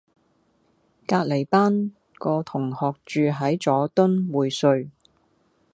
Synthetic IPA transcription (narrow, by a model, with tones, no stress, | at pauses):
kaː˧k̚le˨˩jpaː˥n | kɔː˧t̪ʰʊ˨˩ŋhɔː˨k̚t͡ʃyː˨˧ɦɐ˨˥jt͡sɔː˨˥t̪ɵ˥nwuː˨jsɵ˧ɥ